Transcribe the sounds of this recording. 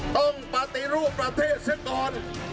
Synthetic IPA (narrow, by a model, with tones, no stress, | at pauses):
t̪ɔ˥˩ŋpa˧t̪i˧ɾuː˥˩pːɾa˧t̪ʰeː˥˩t̪̚si˧˥kɔː˧n